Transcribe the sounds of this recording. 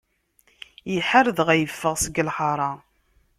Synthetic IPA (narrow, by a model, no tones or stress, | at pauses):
jəħaɾðʁæjəfːəʁsəɡəlħɑɾˤɑ